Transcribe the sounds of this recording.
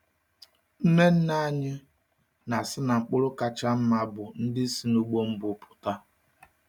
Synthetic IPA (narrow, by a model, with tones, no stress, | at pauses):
ne˦n̩˦na˦ɲɪ˦ | na˨sɪ˦na˨ŋ͡m̩˨k͡pʊ˦ɾʊ˦ka˦t͡ʃa˦m̩˦ma˦bʊ˨n̩˦dɪ˦si˨nu˦ɡ͡bo˦m̩˦bʊ˨pʰʊ̥˨ta˦